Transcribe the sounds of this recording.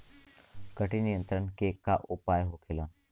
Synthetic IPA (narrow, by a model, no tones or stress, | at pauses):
kəʈinijə̃nt̪ɾənkekːaʔʊpaːjɦokʰɪlã